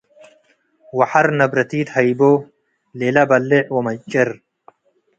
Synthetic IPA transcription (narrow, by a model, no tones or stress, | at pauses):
wɐħaɾnɐbɾɐt̪iːt̪hɐjbo | leːlɐbɐlːeʕwɐmɐt͡ʃʼːɐɾ